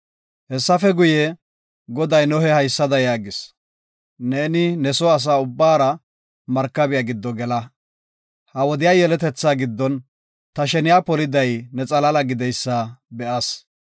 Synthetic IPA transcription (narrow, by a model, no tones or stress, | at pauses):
hɛsːɐfɛɡʊjɛ | ɡɔd̪ɐjnɔhɛhɐjsːɐd̪ɐjaːɡɪs | neːnɪnɛsɔɐs̬aːʊbːaːɾɐ | mɐɾkːɐbɪjaɡɪd̪ːɔɡɛlɐ | hɐwɔd̪ɪjaːjɛlɛt̪ɛt͡sːaːɡɪd̪ːɔn | t̪ɐʃɛnɪjaːpɔlɪd̪ɐjnɛt͡sʼɐlɐlɐɡɪd̪ɛjsːabɛʔɐs